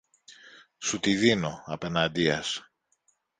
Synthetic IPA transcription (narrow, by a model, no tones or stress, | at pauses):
sut̪iðino̞ɐpe̞nɐd̪iɐs